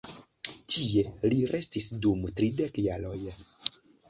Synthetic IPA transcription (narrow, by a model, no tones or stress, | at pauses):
tʰie̞liɾʔe̞stisdumtɾide̞kjalo̞j